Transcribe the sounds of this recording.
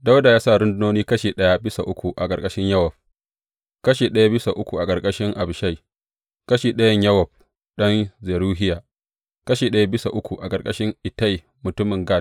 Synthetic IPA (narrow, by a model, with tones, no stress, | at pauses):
da˦wda˨jaː˦sa˦˨ɾʊ˦ndʊ˦noː˦niː˦kɐ˦ʃeː˨ɗɐ˦ja˦bɪ˦sa̰˨ʔʊ˦kʷu˨ʔa˨kʼɐ˨rkʼɐ˦ʃɪ˦ɲjɐ˦wɐ˨b̚ | kɐ˦ʃeː˨ɗɐ˦ja˦bɪ˦sa˨ʔʊ˦kʷu˨ʔa˨kʼɐ˨rkʼɐ˦ʃɪ˦ŋʔa˨bʃa˦˨j | kɐ˦ʃeː˨ɗɐ˦jɐ˦ɲjɐ˦wɐ˨b̚ | ɗɔ˦nze˨ɾuː˦ɦɪ˦jaː˨ | kɐ˦ʃeː˨ɗɐ˦ja˦bɪ˦sa˨ʔʊ˦kʷu˨ʔa˨kʼɐ˨rkʼɐ˦ʃɪ˦ŋʔɪ˨ta˦j | mʊ˨tʊ˦mɪ˨ŋɡaː˦˨